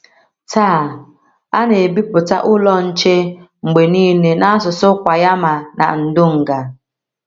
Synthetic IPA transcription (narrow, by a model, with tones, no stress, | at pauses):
taː˦˨ | a˦ne˨bi˦pʊ˨ta̰˦ʔʊ˦lɔ˦n̩˦t͡ʃe˦ŋ͡m̩˨ɡ͡be˨niː˦ne˨na˦sʊ˨sʊ˦kʷa˨ja˦ma˨na̰˨n̩˨dʊ˦ŋ̩˨ɡa˨